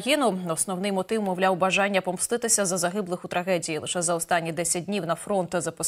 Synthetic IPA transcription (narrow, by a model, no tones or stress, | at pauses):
jʲinʊɔsnɔwnɪjmɔt̪ɪwmɔwlʲawbɐʒɑnʲːɐpɔmst̪ˠɪt̪ɪsʲɐzɐzɐɦɪblˠɪxʊt̪ɾɐɦɛdʲijilˠɪʃɛzɐɔst̪ɑnʲːid̪ɛsʲɐt̚ʲdʲnʲiwnɐfɾɔnt̪ɪzɐpɔ